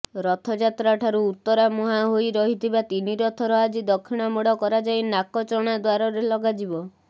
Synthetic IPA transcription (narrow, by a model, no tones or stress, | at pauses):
ɾɔt̪ʰɔd͡ʒat̪ɾaʈʰaɾuːt̪ːɔɾamuɦaɦojɾɔɦit̪ʰibat̪iniɾɔt̪ʰɔɾɔad͡ʒid̪ɔkʰːiɽ̃amɔɽɔkɔɾad͡ʒajnakɔt͡ʃɔɽ̃ad̪waɾɔɾelɔɡad͡ʒibɔ